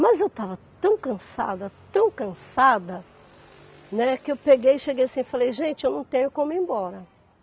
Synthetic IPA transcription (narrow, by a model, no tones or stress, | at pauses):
mɐzewt̪avɐt̪ɐ̃w̃kɐ̃sa̰d̪ɐt̪ɐ̃w̃kɐ̃sad̪ɐ | nɛkɪewpeɡejɪʃeɡejasĩɪfalejʒẽnt͡ʃɪewnɐ̃w̃t̪ẽɲʊkõmʊẽbɔɾɐ